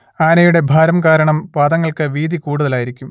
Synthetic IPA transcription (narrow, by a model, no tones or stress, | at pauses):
aːnɐjuɽe̞bʱaːɾɐmkaːɾɐɳɐmʋaːd̪ɐŋːɐɭkɨʋiːd̪ʱikuːɽuðɐlaːjiɾikʲːum